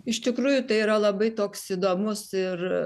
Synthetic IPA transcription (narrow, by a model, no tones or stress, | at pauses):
ɪʃt̪ʲɪkɾuːjʊt̪ɐɪiɾɐlˠɐbɐɪt̪oːksid̪oːmʊsɪr